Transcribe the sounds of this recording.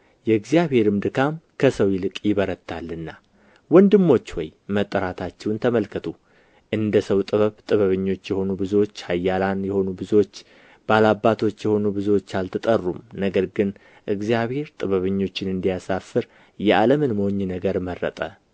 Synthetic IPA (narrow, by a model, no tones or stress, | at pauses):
jɛɨɡzijaβhe̞ɾɨmd̪ɨkʰamkʰəsəwjɪlɨkʼjɪβəɾət̪ʰːalːɨnːa | wɔnd̪ɨmːo̞t͡ʃːwɔjmət̪ʼːəɾat̪ʰat͡ʃːɛwnt̪ʰəməlkʰət̪ʰu | ʔɨnd̪əsəwt̪ʼɨβəβt̪ʼɨβəβɨɲːo̞t͡ʃːjɛho̞nubɨzo̞t͡ʃːhajːalanjɛho̞nubɨzot͡ʃː | balabːat̪ʰo̞t͡ʃːjɛho̞nubɨzwot͡ʃːalt̪ʰɨt̪ʼərːumnəɡəɾɡɨn | ʔɨɡzijaβhe̞ɾt̪ʼɨβəβɨɲːo̞t͡ʃːɪnɨnd̪ijasafɨɾ | jɛʔaləmɨnmoɲːɨnəɡəɾmərːə̰t̪ʼə